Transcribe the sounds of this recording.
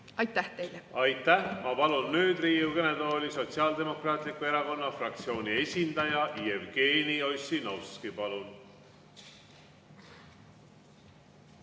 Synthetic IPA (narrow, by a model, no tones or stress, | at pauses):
ɑjt̪ːˑæht̪e̞jlɛɑjt̪ˑːæhmɑpɑlunːyːd̪riːuɡ̥e̞ned̪o̞ːlʲiso̞t̪siɑːld̪e̞mo̞krɑːt̪ˑlikːˑue̞ɾɑko̞nːɑfrɑk̚t̪sio̞ːnʲie̞sʲind̪̥ɑjɑʔievɡ̥eːnio̞sːinɑwskipɑlun